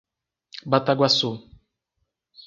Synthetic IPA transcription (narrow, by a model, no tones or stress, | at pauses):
bat̪aɡwasu